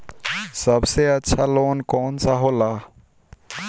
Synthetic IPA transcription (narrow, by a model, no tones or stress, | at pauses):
səbseətːʃʰaloːnkoːnsaɦola